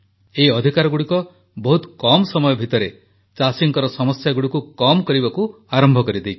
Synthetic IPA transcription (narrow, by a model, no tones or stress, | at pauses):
eiɔd̪ʱikaɾɔɡuɽikɔ | bɔɦut̪kɔmɔsɔmɔjɔbʱit̪ɔɾe | t͡ʃasiŋkɔɾɔsɔmɔsjaɡuɽikukɔmɔkɔɾibaku | aɾɔmbʱɔkɔɾid̪ej